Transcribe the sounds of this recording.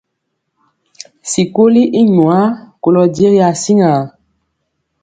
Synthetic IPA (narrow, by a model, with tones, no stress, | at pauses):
si˨ko˦li˦ʔi˦ɲũ˨a˦ko˨lɔ˨di˦e˦ɣi˦a˨si˦ŋa˨